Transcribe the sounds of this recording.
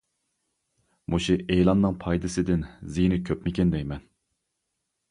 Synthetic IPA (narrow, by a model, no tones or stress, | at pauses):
mʔuʃuʔejlˠɑnːɨŋpʰɑjd̪ɨsɨd̪ɪnzinɪkʲʰøpmɪkʲɛnd̪ɛjmɛn